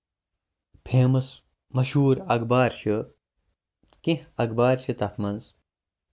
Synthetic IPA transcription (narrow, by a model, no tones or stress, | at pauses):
pʰeːmɐs | mɐɕuːɾɐkbaːɾɕɐ | kĩhɐkbaːɾɕʰit̪ɐfmɐnz